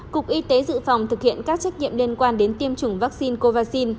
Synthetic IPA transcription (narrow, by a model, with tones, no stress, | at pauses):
kʊ˨˩k̚ʔi˧t̪e˨˦zɨ̰˧˨fa˨˩wŋ͡mt̪ʰɨ˨˩k̚hḭ˧˨ənkaː˦˥k̚t͡ɕa˦˥k̚ɲḭ˧˨əmli˧ənkwaː˧nɗe˨˦nt̪i˧əmt͡ɕʊ˨˧˩ŋ͡mvaː˦˥k̚si˧nko˧vaː˧k̚si˧n